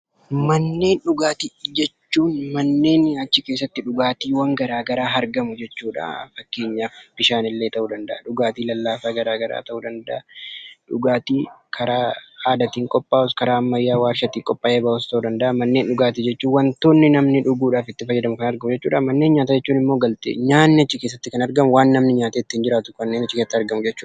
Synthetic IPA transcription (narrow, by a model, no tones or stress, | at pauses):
mɐnːe̞ːnᶑʊɡaːt̪id͡ʒɛt͡ʃːuːnmɐnːe̞ːnɐt͡ʃːɪkeːs̬ːɐt̪ːɪᶑʊɡaːt̪iːwɐŋɡɐɾaːɡɐɾaːɦɐɾɡɐmʊd͡ʒɛt͡ʃːuːᶑa̰fɐkːe̞ːɲːaːfb̥ɪʃaːnɪlːe̞ːt̪ɐʔuːd̪ɐnd̪ɐʔɐᶑʊɡaːt̪iːlɐlːaːfaːɡɐɾaːɡɐɾa̰ːt̪ɐʔuːd̪ɐnd̪ɐʔɐᶑʊɡaːt̪iːkʰɐɾaːaːd̪ɐt̪iːŋkʼɔpʼːaːɔskɐɾaːmːɐjːaːwaːɾʃɐt̪iːŋkʼɔpʼːaːʔeːbaːɔst̪ɐʔuːd̪ɐnd̪ɐʔɐmɐnːe̞ːnᶑʊɡaːt̪iːd͡ʒɛt͡ʃːuːwɐnt̪oːnːɪnɐmnɪᶑʊɡuːᶑaːfɪt̪ːɪfɐjːɛd̪ɐmʊkɐnɐɾɡɐmʊd͡ʒɛt͡ʃːuːᶑamɐnːe̞ːnɲaːt̪aːd͡ʒɛt͡ʃːuːnɪmːo̞ːɡɐlt̪ḛːɲaːnːɪɐt͡ʃːɪke̞ːs̬ːɐt̪ːɪkɐnɐɾɡɐmʊwaːnːɐmnɪɲaːt̪eːt̪ːɪhɪnd͡ʒɪɾaːt̪ʊ̥kɐnːeːnɐt͡ʃːɪkeːsɐt̪ːɪɐɾɡɐmʊd͡ʒɛt͡ʃːuːᶑɐ